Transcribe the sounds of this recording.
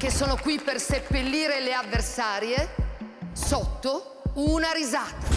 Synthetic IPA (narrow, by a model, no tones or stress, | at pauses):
k̟esːoːnokwipːersepːelːiːɾeleavːersaːɾje | sot̪ːo | unaɾizaːt̪a